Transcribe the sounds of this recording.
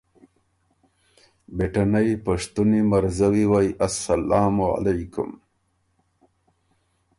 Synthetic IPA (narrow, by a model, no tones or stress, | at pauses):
beʈanajpɐʂt̪unimɐɾzɐwiwajʔɐsːɐlaːmua̰lajkʊ̰m